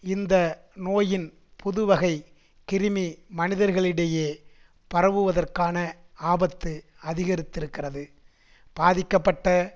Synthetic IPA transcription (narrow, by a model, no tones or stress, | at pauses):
ɪnd̪ɐ | noːjɪn | pʊðɯʋɐɣɐɪ | kɪɾɯmimɐnɪðɐɾɣɐɭɪɽeːjeː | pɐrɐʋɯʋɐðɐrkaːnɐaːbɐt̪ːɯ | ɐðɪɣɐɾɪt̪ːɪɾɯkːɪrɐðɯ | b̥aːðɪkːɐpːɐʈːɐ